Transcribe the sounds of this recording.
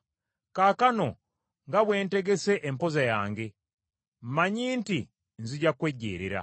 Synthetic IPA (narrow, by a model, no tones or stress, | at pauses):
kaːkano | ŋɡaβweːnteɡeseʔempozajaːŋɡe̞ | m̩maɲiːnti | nzuɟakweɟḛːɾeɾa̰